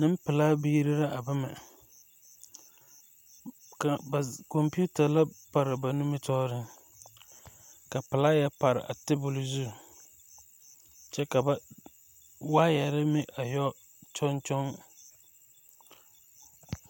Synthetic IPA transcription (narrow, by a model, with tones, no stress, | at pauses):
nɪ˦m˦pɪ˨laː˦bi˦i˦ɾɪ˦ɾa˦ʔa˨ba˦mɪ̰˨ | ka˨ba˨kɔ˨mpi˦u˦ta˨la˦pa˨ɾɪ˨ba˨nu˦mɪ˦tɔː˦ɾɪ˦ | ka˨pɪ˨laː˦jɛ˦pa˨ɾɪ̰˨ʔa̰˨tɪ˦bʊ˨lʊ˦zu˦˨ | t͡ʃɛ˦ka˨ba˨ | wa˦jɛ˨ɾɪ˦mɪ˦ʔa˨jɔ˦ | t͡ʃɔ˦nt͡ʃɔ˦ŋ